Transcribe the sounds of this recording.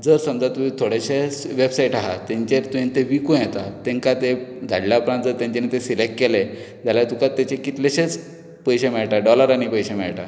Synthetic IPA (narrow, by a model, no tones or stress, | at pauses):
d͡zəɾsəmd͡zat̪umit̪ʰoɽeɕeʋebsaiʈaɦat̪ãɲt͡ɕeɾt̪uẽnt̪eʋikũjɛt̪at̪ẽŋkat̪ed͡zʱa̰ɽljaːpɾant̪̚d͡zəɾt̪jãɲt͡ɕenet̪esilekʈkele | d͡zalat̪ukat̪ːet͡ɕekit̪leɕet͡s | pəjɕemɛɭʈaɖɔləɾañipəjɕemɛ̰ɭʈa